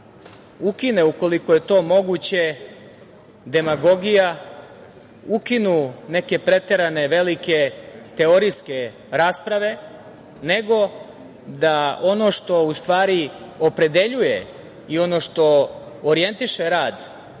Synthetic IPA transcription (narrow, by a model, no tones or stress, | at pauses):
ukine̞uko̞liko̞je̞t̪o̞ːmo̞ɡut͡ɕe̞ | d̪e̞maɡo̞ɡija | ukinune̞ke̞pɾe̞t̪eɾane̞ʋe̞like̞t̪e̞oɾijske̞ | ɾaːspɾaʋe̞ | ne̞ɡo̞ | d̪ao̞no̞ʃt̪o̞ust̪ʋaːɾiopɾe̞d̪e̞ʎujḛ | io̞noːʃt̪o̞oɾije̞nt̪iʃeɾaːd̪